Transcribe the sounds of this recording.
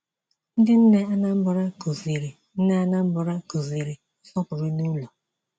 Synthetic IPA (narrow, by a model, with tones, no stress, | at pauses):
n̩˦dɪ˦n̩˦ne˦a˦na˦m̩˦bʊ˨ɾa˦ko˨zi˨ɾi˨ | n̩˦ne˦a˦na˦m̩˦bʊ˨ɾa˦ko˨zi˨ɾi˨˦sɔ˦pʊ˨ɾʊ˦nu˦lo˨